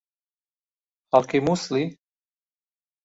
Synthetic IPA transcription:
halkʰemusli

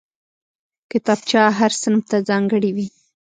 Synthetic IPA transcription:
kɪt̪ɑb̚t͡ʃɑɦaɾsənmt̪azɑŋɡəɽiwi

